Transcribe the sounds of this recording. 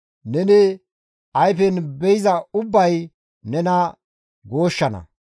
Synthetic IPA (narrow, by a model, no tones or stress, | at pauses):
nɛnɛ | ɐjfɛnbɛjɪzɐʊbːɐj | nɛnɐ | ɡo̞ːʃːɐnɐ̰